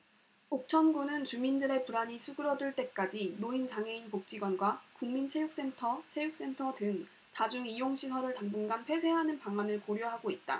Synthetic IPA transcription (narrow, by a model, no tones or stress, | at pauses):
ok̚t͡ɕʰʌnɡunɯnt͡ɕumindɯɾe̞puɾaɲisʰuɡɯɾʌduɭt͈e̞k͈ad͡ʑinoint͡ɕaŋɦe̞inpok̚t͡ɕ͈iɡwʌnɡwakuŋmint͡ɕʰe̞juk̚s͈e̞ntʰʌt͡ɕʰe̞juk̚s͈entʰʌtɯŋ | tad͡ʑuŋijoŋɕʰisʰʌɾɯɭtaŋbɯnɡanpʰe̞sʰe̞ɦanɯnpaŋanɯɭkoɾjoɦaɡoit̚t͈a̰